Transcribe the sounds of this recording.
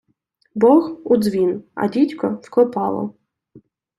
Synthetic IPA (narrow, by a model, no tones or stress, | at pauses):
bɔxud̪zʋʲinɐ̰dʲitʲkɔfklˠɔpɑlˠɔ̰